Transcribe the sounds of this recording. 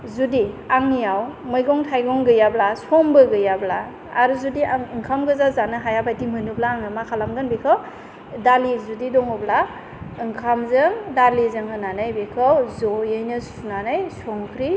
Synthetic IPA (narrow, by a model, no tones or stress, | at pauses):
zudiaŋnijawmɯjɡɔŋtʰajɡɔŋɡɯjablasɔŋbɯɡɯjabla̰ː | ɾuzudiɯŋkʰamɡɯzazanɯɦajapʰajtimɯnublaːŋɯmakʰalamɡɯnbikʰaw | dalizudidɔŋɯbla | ɯŋkʰamzɯŋdalizɯŋɦɯnanɯjbikʰawzɔjɯjnɯsunanɯjsɔŋkʰɾi